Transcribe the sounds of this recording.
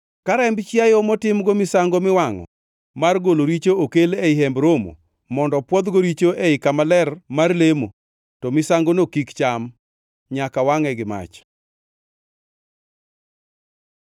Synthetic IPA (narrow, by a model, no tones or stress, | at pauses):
kaɾɛmbt͡ʃjajomɔtɪmɡomɪsaŋɡomɪwaŋɔ̰ | marɡoloɾit͡ʃookeleiɦɛmbɾomo̰ | mɔndɔpwɔd̪ɡoɾit͡ʃoʔeɪkamalɛrmarlemo | tɔmɪsaŋɡonokikt͡ʃam | ɲakawaŋɛɡɪma̰t͡ʃ